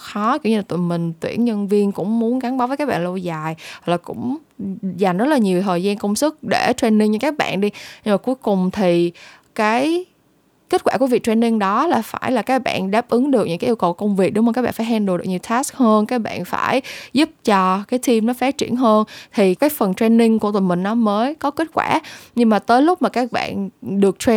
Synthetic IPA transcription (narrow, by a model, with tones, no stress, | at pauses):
xɔ˨˦ki˧˩˥wɲɨ˧la˨˩t̪mï˨˩ŋ̟t̪wḭ˧˩ənɲə˧nvi˧ənkʊ̰˧˥ŋ͡mmu˨˦ənka˨˦nɓaː˨˦vəː˨˦jkaː˦˥ɓa̰ː˧˨lo˧wzaː˨˩jha˨˩klaː˨˩kʊ̰˧˥ŋ͡mza˨˩ŋ̟zə˦˥t̚laː˨˩ɲi˨˩əwt̪ʰəː˨˩jzaː˧nkə˧wŋ͡msɨ˦˥k̚ɗe˧˩t͡ɕwe˧nːi˧nɲɨ˧ŋkaː˦˥k̚ɓa̰ː˧˨nɗi˧ɲə˧maː˨˩ku˨˦jkʊ˨˩ŋ͡mt̪ʰi˨˩ | kaː˨˦j | ke˦˥t̚kwaː˧˩ku˧˩vi˨˩t̪we˧nːï˧ŋɗɔ˨˦laː˨˩faː˧˩jlaː˨˩kaː˦˥k̚ɓa̰ː˧˨nɗaː˦˥p̚ʔɨ˨˦ŋɗɨ˨˩ək̚ɲɨ̰˧˥ŋkaː˨˦ʔi˧wkə˨˩wkə˧wŋ͡mvi˨˩k̚ɗʊ˨˦ŋ͡mma˨˩kaː˦˥ɓa̰ː˧˨faː˧˩jhɛ˧nɗo˨˩ɗkɲi˨˩wt̪ʰaː˦˥sk̚həː˧nkaː˦˥k̚ɓa̰ː˧˨nfa̰ː˧˩jzu˦˥p̚t͡ɕɔ˧kaː˨˦jt̪ʰi˧mnɔ˨˦faː˨˦˥t̚t͡ɕḭ˧˩ənɦəː˧nt̪ʰi˨˩kaː˨˦jfə˨˩ntwe˧nːï˧ŋku˧˩t̪mï˨˩ŋ̟nɔ˨˦məː˨˦jkɔ˨˦ke˦˥t̚kwa̰ː˧˩ɲɨ˧ŋmaː˨˩t̪əː˨˦jlʊ˦˥k͡p̚maː˨˩kaː˦˥k̚ɓa̰ː˧˨nɗɨ˨˩ək̚tʰwe˧